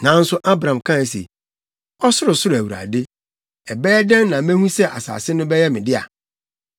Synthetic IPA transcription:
nã˨˦n̩˦sʊ˦ʔa˦bɾã˨m˨kʰã˦˨sḛ˨ | ɔ˦sʊ˦ɾʊ˨sʊ˦ɾæ˨wu˨ɾa̰˨dɪ˦ | ɛ˨bɛː˦dɛ̃˦nnã˨mæ̃˦hũ˦sɛ˦ʔa̰˨sa̰ː˨sɪ˦nʊ̃˦bɛ˦jɛ˦mɪ̃˨dɪ˦a̰˨

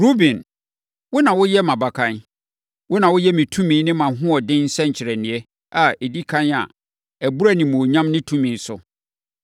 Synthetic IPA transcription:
ɾu˦bĩ˨n | wʊ˦nã˨wʊ˦jɛ˦mã˨ba˨kʰã˨n | wʊ˦nã˨wʊ˦jɛ˦mĩ˨tʰũ˦mĩ˦nɪ̃˦mã˨˦ɦʊ̃˦ɔ˨dɪ̃˦n̩˦sɛ˦ɲ̩˨t͡ɕʰɪ˨ɾɛ˨nɪ̃˨ɛ˦ | a˨e˨di˦kʰã˦na̰˨ | æ˨bu˦ɾa˦nĩ˨mõ˨ɲã˦mnɪ̃˦tʰũ˦mĩ˨n˦sʊ˦

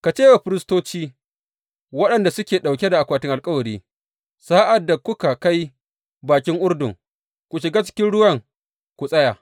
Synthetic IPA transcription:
ka˨t͡ʃeː˦wa˨ɸɪ˦ɾɪ˦stoː˦t͡ʃiː˦ | wɐ˦ɗɐ˨nda˨sʊ˦kʲeː˨ɗa˨wk̬ʲɛ˦da˨ʔa˨kʷaː˨tɪ˦ŋʔa˨lkʼɐ˦wɐ˨ɾiː˦ | saː˦ʔa˨dːa˨kʷʊ˦ka˨ka˦j | baː˨kʲɪ˦ŋʔʊ˦rdʊ̰˨ŋ | kʷu˨ʃɪ˨ɡaː˦t͡ʃɪ̥˦kʲɪ˦nɽʊ˦wɐ˦˨ŋ | kʷu˨sʼɐ˦jaː˨

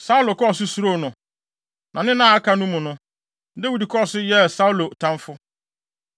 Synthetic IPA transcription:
sa˦u˦lo˨kɔ˦˨sʊ˦su˨ɾo˦˨nʊ̃˨ | nʔã˨nɪ̃˦nã˦˨a˦kʰa˨nũ˦mʊ̃˨nʊ̃˦ | de˦wi˨di˨kʰɔ˦ɔ˨sʊ˦jɛ˦˨sa˦u˦lo˨tʰã˦ɱfʊ˦

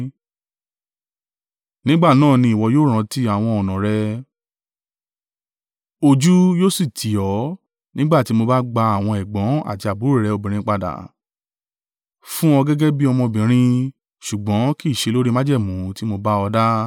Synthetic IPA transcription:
nĩ˦ɡ͡ba˦˨nãː˦˨nĩ˧˦i˨wɔ˧joː˦ɾ̃ã˧ti˦a˦˨w̃ɔ̃˧ɔ˨nã˨ɾɛ˧ | o˧d͡ʒu˦joː˦si˦˨tʰi˨˦ɔ˨˦ | nĩ˦ɡ͡ba˦˨ti˧˦mo˧ba˦ɡ͡ba˧a˨w̃ɔ̃˧ɛ˨ɡ͡bɔ̃˨˦a̰˦˨ti˧a˨bu˨˦ɛ˦˨ɾɛ˨˦o˧bĩ˨ɾ̃ĩ˧k͡pa˧da̰˨ | fũ˦ɔ˧ɡɛ˦ɡɛ˦bi˦ɔ˧mɔ̃˧˨bĩ˨ɾ̃ĩ˧ | ʃu˨ɡ͡bɔ̃˨˦ki˦˨ʃe˧lo˦ɾi˦ma˦d͡ʒɛ˦˨mũ˨˦ti˦mo˧ba˦ɔ˧da˦

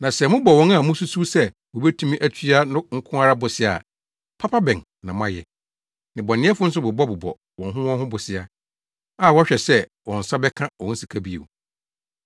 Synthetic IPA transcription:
nã˨sɛ˨mʊ̃˦bɔ˨wɔ̃˦na˦˨mʊ̃˦su˦su˦sɛ˦ | wo˨bɛ˦tʰũ˦mĩ˦ʔæ˦t͡ɕʰi˦a˦nʊ̃˦ŋ̩˦kʰʊ̃˦a˦ɾa˦bʊ˨sɪ˦a̰˨ | pʰa˦pʰa˦bɛ̃˨n | nã˨m˦ã˦jɛ̰˨ | nɪ̃˨bɔ˨nɪ̃˦ɛ˦fʊ˦n̩˦s̬ʊ˦bʊ˨bɔ˦bʊ˨bɔ̰˨ | wɔ̃˨nɦʊ̃˦wɔ̃˦ɦʊ̃˦bʊ˨sɪ˨a˦ | a˦˨wɔ˦ɕᶣɛ˨sɛ˦ | wɔ̃˨n̩˨sa˦bɛ˦kʰã˦wɔ̃˨˦n̩˦si˨kʰa˦bi˦ḛ˨

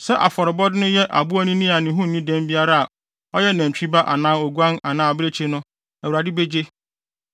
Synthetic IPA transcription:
sɛ˦ʔa˨fɔ˨ɾɪ˨bɔ˦dɪ˦nʊ̃˦jɛ˦ʔa̰˨bu˦ɔ˦nĩ˦nĩ˦a˨nɪ̃˨ɦʊ̃˦n̩˨nĩ˦dɛ̃˦mbi˦a˦ɾa˦a˨ | ɔ˦jɛ˦næ̃˨t͡ɕᶣi˦ba˦ʔa˨nãː˦o˨ɡu˦ã˦na˨nãː˦˨a˨bɪ˦ɾe˦t͡ɕʰe˦nʊ̃˦ | æ˨wu˨ɾa˨dɪ˦be˦d͡ʑe˦

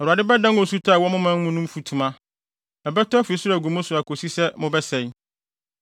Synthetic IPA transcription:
ɛ˨a˨dɪ˦bɛ˦dã˦wɔ̃˨su˦tʰa˦a˨wɔ˦mʊ̃˦mã˦mʊ̃˦nʊ̃˦m̩˦fu˨tʰũ˨mã˦ | ɛ˨bɛ˦tɔ˦æ˦fu˨i˨˦sʊ˦ɾa˨ɡu˨mʊ̃˦sʊ˨a˨kʰo˨si˦sɛ˦mʊ̃˦bɛ˦sɛ˨j

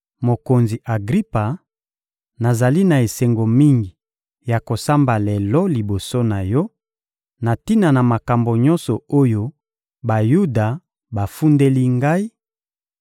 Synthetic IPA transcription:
mo˨ko˨nzi˨ʔa˨ɡʁi˦pa˨ | na˨za˨li˦na˨e˨sɛ˨ŋɡo˨mi˦ŋɡi˨ | ja˨ko˨sa˦mba˨lɛ˨lɔ˦li˨bo˨so˦na˨jɔ˦ | na˨ti˦na˨na˨ma˨ka˨mbo˨ɲɔ̃˦nsɔ˨o˦jo˦ | ba˨ju˦da˨ | ba˨fu˦nde˦li˦ŋɡa˦i˦

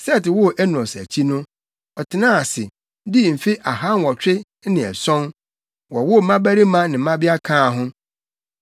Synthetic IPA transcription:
sɛ˦˨tɪ˨wʊ˦˨ʔɛ˦n˨ɔ̃˨sæ̰˨t͡ɕʰi˦nʊ̃˦ | ɔ˨tʰɪ˨nã˦a˨sɪ̰˨˦ | di˦˨m̩˨fi˦ʔa˨ɦa˦n˦wɔ˨t͡ɕᶣɪ˦ | nɪ̃˨ɛ̰˨sɔ̃˦n | wɔ˨wʊ˦˨mã˦bæ˦ɾi˦mã˦nɪ̃˨˦mã˦bɪ˦a˦kʰãː˦˨ɦʊ̃˦

